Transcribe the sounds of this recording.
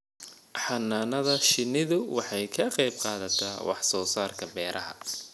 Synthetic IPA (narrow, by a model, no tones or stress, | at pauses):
ħɑnːaːnɐðɐʃɪnɪðʊwɑħɑjkʰɐqɛjb̚qɑːðɐt̪ʰa̰ːwɑ̰ħsɔːsaːrkʰɐbɛːɾʔɐɦɐ̰